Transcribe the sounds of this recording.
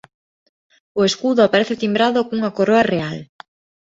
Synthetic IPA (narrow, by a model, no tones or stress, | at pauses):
oeskuðʊapaɾeθɪt̪imbɾaðokoŋuŋakoɾoareal